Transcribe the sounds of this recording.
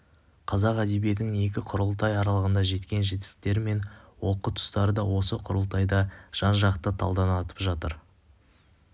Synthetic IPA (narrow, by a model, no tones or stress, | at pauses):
qʰɑzɑqæd̪e̞bje̞t̪ɪŋe̞kʲɪqʰʊɾʊlˠt̪ɑjɑɾɑlˠəʁənd̪ɑʒe̞t̪kʲe̞nʒe̞t̪ɪ̥st̪e̞ɾɪme̞nwo̞qːət̪ʰʊ̥st̪ɑɾəd̪ɑwo̞səqʰʊɾəlˠt̪ʰɑjd̪ɑʒ̥ɑnʒɑqt̪ət̪ʰɑ̰lˠd̪ɑnɑt̪ə̥pʒɑt̪əɾ